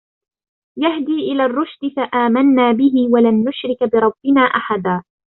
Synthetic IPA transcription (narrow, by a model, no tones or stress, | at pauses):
jahd̪iːʔɪlaːrˤːʊʃd̪ɪfaʔaːmanːaːbɪɦɪwalanːʊʃɾɪkbɪɾˤɑbːɪnaːʔaħad̪aː